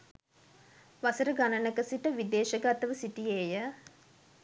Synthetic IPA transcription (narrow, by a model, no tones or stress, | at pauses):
ʋasəɾəɡanənəkəsiʈəʋid̪eːʃəɡat̪əʋəsiʈijeːjə